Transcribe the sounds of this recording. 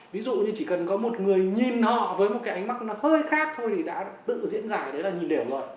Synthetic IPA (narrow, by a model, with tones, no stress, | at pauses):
vi˨˦zṵ˧˨ɲɨ˧˩t͡ɕi˧˩kə˨˩nkɔ˨˦mo˨˩t̚ŋɨ˨˩əjɲi˨˩nhɔ̰˧˨vəː˨˦jmo˨˩t̚kaː˨˦jʔa˨˦ŋ̟ma˦˥k̚nɔ˨˦həː˧jxaː˦˥k̚t̪ʰo˧jt̪ʰi˨˩ɗa̰ː˧˥t̪ɨ̰˧˨zḭ˧˥ənzaː˧˨˩ɗe˨˦laː˨˩ɲi˨˩nɗe˧˩wlə̰ː˧˨j